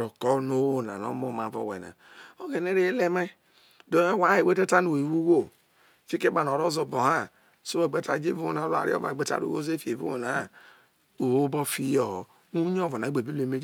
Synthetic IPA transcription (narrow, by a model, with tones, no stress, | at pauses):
o˨ko˦no˦o˨na̰˨no̰˦mo˦˨ma˨vo̰˨wḛ˨na̰˨ | o˦ɡe˨ne˦ɾe˦le˦me˦ | do˨˦e˦wa˨˦e˨we˦te˦ta˦no˨we˨wu˦wo˦ | fi˦ke˦ba˨n˨o˨ɾo˦zo˨bo˨ha˦ | so˦o˨ɡ͡be˨ta˨˦d͡ʒe˦vu˦o˦na˨˦la̰˨ɾḭ˦o̰˦a̰˨ɡ͡be˨ta̰˨ɾṵ˨o˦ze˦fi˦e˨vṵ˦o˨na˨ | o˨wo˦bo˦fi˦jo˦˨ | u˦ɲ˦o˦˨vo˨a˨˦ɡ͡be˨bi˦le˨me˦d͡ʒ